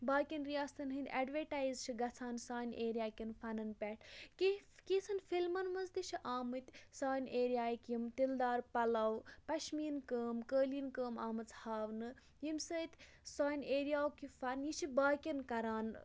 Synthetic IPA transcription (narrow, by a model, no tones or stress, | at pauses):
baːkʲinɾijaːst̪ɐnɦɨ̃nd̪ʲa̰ːɖʋeʈaːjzt͡ʃʰiɡɐt͡sʰaːnsaːneːɾijaːkʲinfɐnɐnpʲɛʈʰkikiːt͡sʰɐnfilmɐnmɐnzt̪it͡ʃʰiʔaːmɨt̪ʲsaːjneːɾijaːjkjimt̪ild̪aːɾpɐlɐwpɐʃmiːnkəːmkəːlinkəːmaːmɨt͡shaːʋnɨ | jimsəːt̪ʲ | saːjneːɾijaːwkifɐnjit͡ʃʰibaːkʲinkɐɾaːn